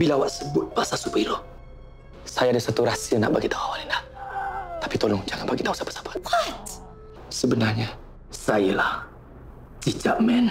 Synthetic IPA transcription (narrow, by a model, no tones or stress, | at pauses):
bilawaʔsəbʊt̪̚basasupiɾo | sajadasat̪uɾasiəna̰ʔbaɡit̪auawalinah | t̪ḁpit̪olɔŋd͡ʒaŋanbaɡit̪ausapḁsḁpaa | səbənarɲa | sajəlah | tit͡ʃaʔmɛn